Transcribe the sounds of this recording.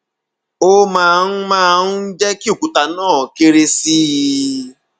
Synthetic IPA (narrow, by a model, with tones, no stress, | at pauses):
o˦mãː˦˧n̩˦mãː˦n̩˦d͡ʒɛ˦ki˦u˦˨ku˨ta˧nãː˦˨ke˧ɾe˧si˦